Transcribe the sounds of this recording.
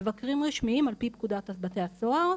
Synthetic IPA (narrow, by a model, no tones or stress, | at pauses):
evakʁimʁiʃmiimalpipkud̪at̪abate̞jasoaʁ